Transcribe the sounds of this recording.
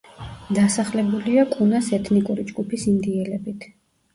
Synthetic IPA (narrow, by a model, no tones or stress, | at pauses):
d̪asaχlɛbuliakʼunasɛt̪ʰnikʼuɾid͡ʒɡupʰisimd̪iɛlɛbit̪ʰ